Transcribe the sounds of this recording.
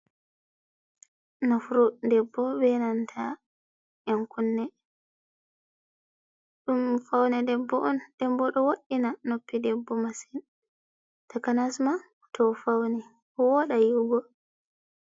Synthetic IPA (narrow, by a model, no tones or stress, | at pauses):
nɔfɾudɛbːɔbɛnantʰa | ʔɛnkunːɛ | ɗumfawnɛdɛbːɔʔɔnd̥ɛmbɔɗɔwoɗːinanopːidɛbːɔmasin | takanasma | tʰɔfawnɛ | hɔwɔɗajuɡɔ